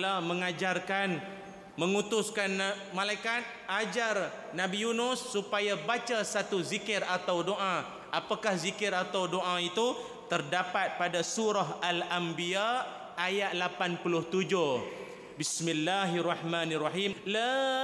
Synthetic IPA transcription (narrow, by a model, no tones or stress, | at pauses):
lamə̃ŋad͡ʒarkan | mə̃ŋut̪ʊskan | mãlajkat̪̚ad͡ʒar | nãbijunʊsːupajabat͡ʃasat̪uzikɪrat̪awdoʔa | ʔapakahzikɪɾat̪awdoʔait̪u | t̪ərdapat̪̚padasuɾaɦalambiaʔ | ajat̪̚lapanpulʊht̪ud͡ʒʊh | bismilːaɦarːɑħmanaraɦimla